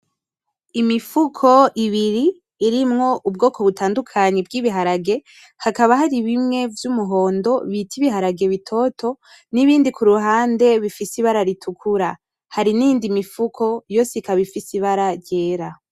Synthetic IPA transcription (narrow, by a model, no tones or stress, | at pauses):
imifukʰo̞ʔiβiɾiː | ɾimŋo̞ʔubɡo̞ːko̞βutʰaːndukʰaɲebɡiβiɦaɾaɡe̞ | hakaβaɦaɾiβimŋe̞vjumuɦo̞ːndo̞βitʰiβiɦaɾaɡe̞βitʰo̞tʰo̞ | niβiːndikuɾuɦaːnde̞βifisiβaɾaɾitʰukʰuɾa | haɾiniːndimifukʰo̞jo̞ːsikaβifisiβaɾaɾɟe̞ːɾa